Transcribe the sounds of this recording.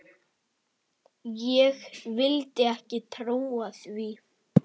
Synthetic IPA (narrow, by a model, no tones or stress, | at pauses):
jɛɣvɪlt̪ɪɛhcɪt̪ʰɾuːaθvi